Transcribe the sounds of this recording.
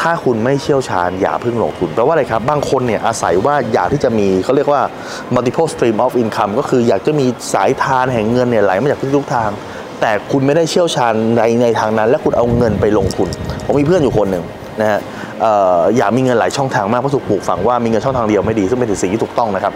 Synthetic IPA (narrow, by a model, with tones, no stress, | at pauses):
t̪ʰaː˥˩kʰu˧nma˥˩jt͡ɕʰi˥˩əwt͡ɕʰa̰ː˧nja̰ː˨˩k̚pʰɯ˥˩ŋlo̰˧ŋt̪ʰu˧npɾɛː˧˦˥waː˥˩la˧jkʰa˦˥p̚baː˧ŋkʰo˧nːi˥˩ɐʔa˧sa̰˨˩˦jwaː˥˩jaː˨˩k̚t̪ʰiː˥˩t͡ɕa˨˩ʔmiː˧kʰa˥˩wɾi˥˩ək̚waː˥˩ | ma˧t̪i˧pʰoː˥˩st̪ɾiː˧mʔɔː˦˥fʔi˧nkʰa˧mkɔː˥˩kʰɯː˧jaː˨˩k̚t͡ɕa˨˩miː˧sa̰ː˩˦jt̪ʰaː˧nɦɛ˨˩ŋːɤ˧nːi˥˩ɐla˨˦jma˥˩˨aː˨˩t̪ʰːt̪u˥k̚t̪ʰaː˧ŋ | t̪ɛː˨˩kʰu˧nma˥˩jda˥˩jt͡ɕʰi˥˩əwt͡ɕʰaː˧nda˧jna˧jt̪ʰaː˧ŋna˦˥nlɛ˦˥kʰu˧nʔa˧wŋɤ˧npa˧jlo˧ŋt̪ʰu˧npʰo˩˦miː˧pʰɯ˥˩ənjuː˨˩kʰo˧nːɯ˨˩ŋ | na˦˥ha˦˥ | ʔəː˨˩jaː˨˩k̚miː˧ŋɤ˧nlaː˩˦jt͡ɕʰɔ˥˩ŋt̪ʰaː˧ŋmaː˥˩kʰpʰɔ˥t̪ʰu˧˩pʰuː˨˩k̚fa̰˩ŋwaː˥˩mi˧ŋɤ˧nt͡ɕʰɔ˥˩ŋt̪ʰaː˧di˧əwma˥˩jdiː˧sɯ˥˩ŋpe˧n˨˩si˨˩iː˥t̪ʰuː˨˩k̪̚t̪ɔ˥˩ŋna˦˥kʰa˦˥p̚